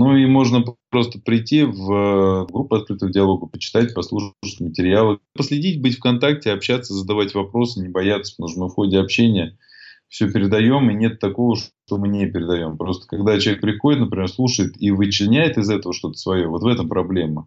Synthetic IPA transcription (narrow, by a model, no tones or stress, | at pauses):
nuimo̞ʐnəpɾo̞st̪ə̥pɾʲɪtʲːivəvɡɾupːʊɐt̪̚kɾɨt̪əvdʲɪɐlˠo̞ɡəpət͡ɕɪ̥t̪at̚ʲpɐslˠuʂʂə̥tʲmətʲɪɾʲɪjalˠɨpəslʲɪdʲitʲbɨtʲfkɐnt̪ak̚tʲɪɐpɕːat̪sːəzəd̪ɐvatʲvɐpɾo̞sɨnʲɪbɐjat̪sə̥pt̪uʂnmɨfxo̞dʲɪɐpɕːenʲɪjə | fsʲɵpʲɪɾʲɪd̪ɐjo̞mɪnʲe̞t̪ːɐko̞vəʂt̪omɨnʲepʲɪɾʲɪd̪ɐjo̞mpɾo̞st̪ə̥kɐɡd̪at͡ɕɪvek̚pɾʲɪxo̞ɪt̪nəpɾʲɪmʲersˠuʂəjɪt̪ivɨt͡ɕlʲnʲæjɪt̪ɪzɛt̪əvəʂt̪o̞t̪ə̥svɐjo̞vo̞t̪vɛt̪əmpɾɐblʲe̞mːə